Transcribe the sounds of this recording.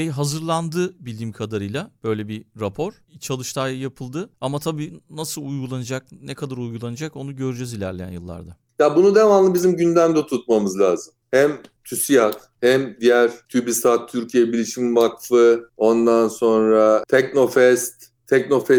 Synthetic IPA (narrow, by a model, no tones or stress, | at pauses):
ejɦazɯɾlˠand̪ɯːbilʲimkʰad̪aɾɯjlˠab̥ø̞jlʲɛbiɾapʰo̞ɾ̥ | it͡ʃʰalˠɯʃt̪ʰaːjajapʰɯlˠd̪ɯamat̪ʰabiːnasɯlˠujɡulˠanɯd͡ʒak̚nɛkʰad̪aɾujɡulˠanɯd͡ʒako̞nuɟø̞ɾyd͡ʒezilʲæ̰ɾlʲejæ̰njɯlˠːa̰ɾd̪a | jabunud̪evanlˠɯbizimɟynd̪æmd̪ɛt̪ʰut̪̚mamɯzlʲaːzɯmhɛmt̪ʰysijak̪ | hɛmd̪ijæɾt̪ʰybist̪at̪ʰːyɾcʰijɛbilʲiʃimivakfɯo̞nd̪anso̞nɾat̪ʰɛcno̞fɛst̪ʰːɛcno̞fɛ